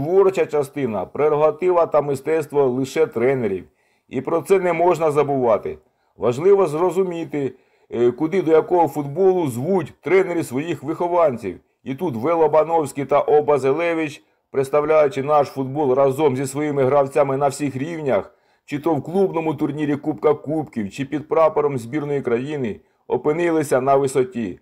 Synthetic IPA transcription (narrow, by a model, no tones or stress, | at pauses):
t̪ʋɔrt͡ʃɐt͡ʃɐst̪ɪnɐpɾeɾɔɦɐt̪ɪʋɐt̪ɐmɪst̪ɛst̪ʋɔlˠɪʃɛt̪ɾɛneɾʲḭw | ipɾɔt̪sɛnɛmɔʒnɐzɐbʊʋɑt̪ɪ | ʋɐʒlˠɪʋɔzrɔzʊmʲit̪ɪ | kʊd̪ɪd̪ɔjɐkɔɦɔfʊd̪bɔlˠʊzʋutʲt̪ɾɛneɾʲɪsʋɔjixʋɪxɔʋɑnʲt͡sʲḭw | it̪ut̪ʋɛlˠɔbɐnɔwsʲkʲijt̪ɐʔɔbɐzelˠɛʋʲɪt͡ʃ | pɾɪt̪st̪ɐwlʲajʊt͡ʃɪnɑʃfʊd̪̚bɔlˠrɑzɔmzʲisʋɔjimɪɦɾɐwt͡sʲamɪnɐwsʲixɾʲiwnʲɐx | t͡ʃɪt̪ɔwklˠubnɔmʊt̪ʊrnʲiɾʲikupkɐkupkʲiwt͡ʃɪpʲid̪̚pɾɑpɔɾɔmzʲbʲirnɔjikɾɐjinɪ | ɔpɪnɪlˠɪsʲɐnɐʋɪsɔtʲi